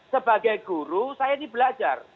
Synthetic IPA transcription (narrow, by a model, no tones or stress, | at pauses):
səbaɡajɡuɾusajainibəlad͡ʒa̰r